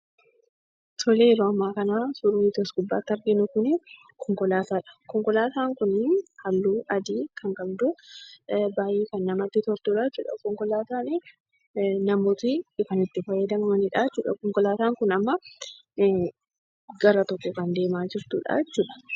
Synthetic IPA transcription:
t̪ʰɔleːɾoɐmːaːkɐnaːsʊɾuɪt̪ɔsɡʊbːa̰ːt̪ːɐɾɡɪnʊkʊnɪ | kʰɔŋkɔlaːt̪aːᶑɐ̥kɔŋkɔlaːt̪aːŋkʊnːɪnhɐlːuːʔɐd̪iːkʰɐŋkɐbd̪ʊ | baːjiːkɐnːɐmɐt̪ːɪt̪ɔɾt̪uːɾaːt͡ʃːuːᶑɐ̰kɔŋkɔlaːt̪aːnɪ | nɐmoːt̪iɪkɐnɪt̪ːɪfɐjːɐd̪ɐnmɐniᶑaːt͡ʃːuːᶑɐ̰kɔŋkɔlaːt̪aːŋkʊnɐmːɐ | ɡɐɾɐt̪ɔkːɔkɐnd̪e̞ːmaːd͡ʒɪɾt̪uːᶑa̰ːt͡ʃːuːᶑɐ̥

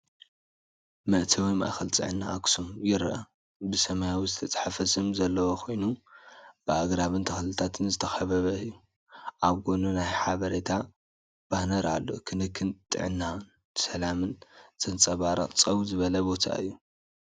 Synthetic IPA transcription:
mɐʔt̪ʰiwijma̰ʔxɐlt͡s̪ʼɨ̰ʕɨnːaʔaksumjɪɾʔɐ | bɨsɐmajawizɨt̪ʰɐt͡sʼħafɐsɨmzɐlːɐwokʰo̞jnu | b̥ɨʔaɡɾaβɨnt̪ʰɐxlɨt̪ʰat̪ʰɨnzɨt̪ʰɐxɐβɐβɐɨjːu | ʔaβɡonunajħaβɐɾet̪ʰa | b̥anɐɾa̰lːo̞̰kʰɨnɨkʰːɨnt̪ʼɨ̰ʕɨnːan | sɐlamɨnz̥ʼɐnt͡sʼɐβaɾɐ̰qʼt͡sʼɐwzɨβɐlɐbo̞t̪ʰa̰ɨ̰jːu

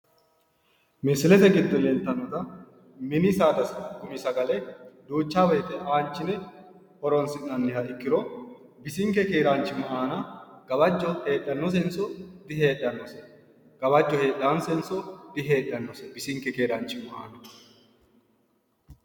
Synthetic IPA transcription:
mɛsɪlɛt̪ɛɡɪd̪ːɔlɛnt̪ːɐnːɔt̪ɐ | mɪnɪsaːd̪ɐsɐkʊmɪsɐɡɐlɛd̪uːt͡ʃːaːbɛjt̪ɛʔaːnt͡ʃːɪnɛ | hɔɾɔnsɪnːɐnːɪhɐɪkːɪɾɔ | bɪsɪŋkːɛkeːɾaːnt͡ʃːɪmɐʔaːnɐɡ̥ɐbɐd͡ʒːɔhe̞ːɗːɐnːɔs̬ɛnsɔd̪ɪheːɗɐnːɔsɛ | ɡ̥ɐbɐd͡ʒːɔhe̞ːɗːansɛnsɔd̪̥ɪɦe̞ːɗːɐnːɔsɛbɪsɪŋkːɛkeːɾant͡ʃːɪmɐʔa̰ːnɐ

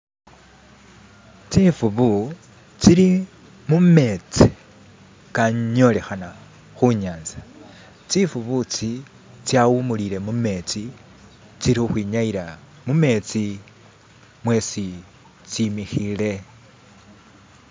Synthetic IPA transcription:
t͡sifuβu | t͡siɾi | mume̞t͡si̥ | kao̞le̞xana | xuɲaːnza | t͡sifuβut͡si | t͡sjawumulile̞mume̞t͡si | t͡siɾixuxwiːɲaiɾa | mume̞t͡si | mwe̞si | t͡simixile̞

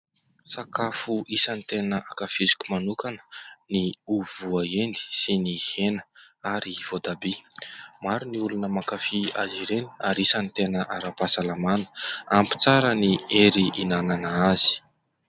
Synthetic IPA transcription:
sakafuʔisənit̪enəʔakafizi̥kʲumanukanə̥niuvuaend̪i̥sinihenə̥ | aɾiv̥od̪abimaɾuniulunəmakafia̰ziɾeni̥aɾisənit̪enəʔaɾapasalamanə̥ampi̥t͡saɾənieɾiʔinananaazi̥

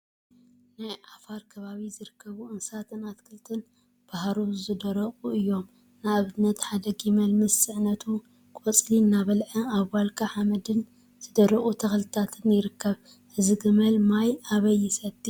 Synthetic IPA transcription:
najʕafaɾkʰɐβaβizɨɾɨkʰːɐβuʔɨnsat̪ʰɨnat̪kʰɨlt̪ʰɨn | b̥aɦɾuzɨd̪ɐɾɐqʼuɨjːo̞m | naβɨnːɐt̪ħad̪ɐɡimɐlmɨsɨʕnɐt̪ʰu | kʰʼɔt͡sʼlinaβɐlʕɐaβwalkʰaʕamɐd̪ɨn | z̥ɨd̪ɐɾɐχʼut̪ʰɐxlt̪ʰat̪ʰɨnjɪɾɨkːɐβ | ʔɨzɨɡɨmɐlmajaβɐjːɪsɐt̪ʼːi

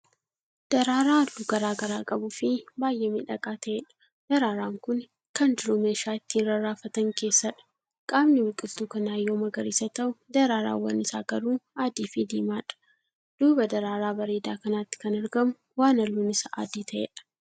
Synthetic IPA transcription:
d̪̥ɐɾaːɾaːɐlːuɡɐɾaːɡɐɾaːkʼɐbʊfɪbaːjʔeːmɪᶑɐkʼaːt̪ʰɐʔeːᶑɐ̥ | d̪̥ɐɾaːɾaːŋkʊn | kɐnd͡ʒɪɾumeːʃaːɪt̪ːiːnɾɐɾaːfɐt̪ɐŋke̞ːsːɐᶑɐ̥ | kʼaːbnɪwʊkʼɪlt̪ukɐnaːjːoːmɐɡɐɾiːsɐt̪ɐʔʊd̪ɐɾaːɾa̰ːwɐ̰nɪsa̰ːɡ̥ɐɾuːaːd̪iːfid̪eːmaːᶑɐ̥ | d̪̥uːbɐd̪ɐɾaːɾaːbɐɾeːd̪aːkɐnaːt̪ːɪ̥kɐnɐɾɡɐmʊ | waːnɐlːuːnɪsɐʔa̰ːd̪iːt̪ʰɐʔḛːᶑɐ̥

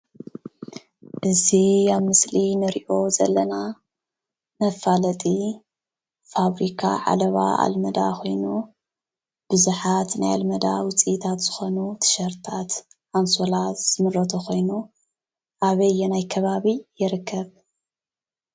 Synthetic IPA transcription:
ʔɨziaβmɨslinɨɾiʔo̞zɐ̰lːɐna | nɐfalɐt̪ʼi | faβɾikʰa̰ʕa̰lɐβa̰ʔa̰lmɐd̪a̰xʰo̞jnu | b̥ɨzuħat̪naja̰lmɐd̪a̰wʊt͡sʼit̪ʰat̪z̥ɨxo̞nut̪ʰɨ̥ʃɐɾt̪ʰat̪ħansolaz̥ɨmɨlot̪ʰoxo̞jnu | ʔaβɐjːɛnajkʰɐβaβijɪɾɨkʰːɐβ

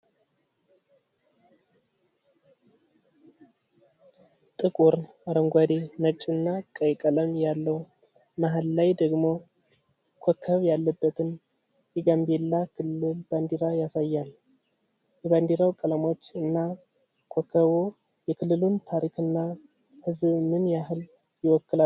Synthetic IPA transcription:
t̪ʼɨkʼuɾ | aɾəŋɡʷad̪emət͡ʃʼɨnːakʼəjkʼələmjalːəw | maɦalːajd̪əɡmo | kʷʰokʰːəβjalːəbːət̪ʰɨn | jɛɡambelːakʰɨlːɨlband̪iɾajasajːal | jɛband̪iɾawkʼələmo̞t͡ʃːɨnːa | kʰɔkʰːəβo | jɛkʰɨlːɨlunt̪ʰaɾikʰɨnːa | hɨzbmɨnjaɦɨl | jɪwɔkːɨla

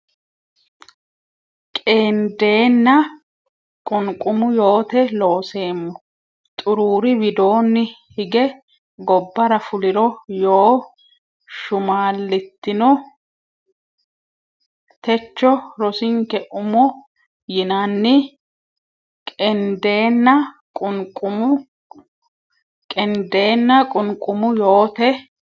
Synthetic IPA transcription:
kʼeːnd̪e̞ːnːɐ | kʼʊŋkʼʊmʊjo̞ːt̪ɛlo̞ːse̞ːmːɔ | t̪ʼʊɾuːɾɪbɪd̪o̞ːnːɪhɪɡɛ | ɡɔbːɐɾɐfʊlɪɾɔjoː | ʃʊmaːlːɪt̪ːɪnɔ | t̪ɛt͡ʃːɔɾɔsɪŋkɛʔʊmɔ | jɪnɐnːɪ | kʼɛnd̪e̞ːnːɐ | kʼʊnkʼʊmʊ | kʼɛnd̪e̞ːnːɐkʼʊnkʼːʊmʊjo̞ːt̪ɛ

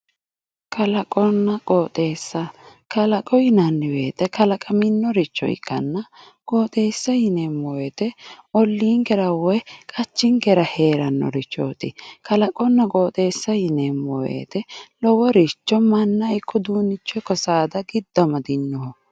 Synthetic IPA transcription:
kʰɐlɐkʼɔnːɐkʼoːt̪ʼe̞ːsːɐ | kɐlɐkʼɔjɪnɐnːɪweːt̪ɛkɐlɐkʼɐmɪnːɔɾɪt͡ʃːɔ̰ɪ̰kːɐ̰nːɐ | kʼoːt̪ʼe̞ːsːɐjɪnemːɔwɛt̪ɛɔlːiːŋɡɛɾɐwɔjkʼɐt͡ʃːɪŋɡɛɾɐheːɾɐnːɔ̰ɾɪt͡ʃːɔ̰ːt̪ɪ̰kɐlɐkʼɔnːɐkʼoːt̪ʼe̞ːsːɐjɪnemːɔwḛːt̪ɛlɔwɔɾɪt͡ʃːɔmɐnːɐɪkʰːɔd̪uːnɪt͡ʃːɔkɔsaːd̪ɐɡɪd̪ːɐmɐd̪ɪnːɔhɔ

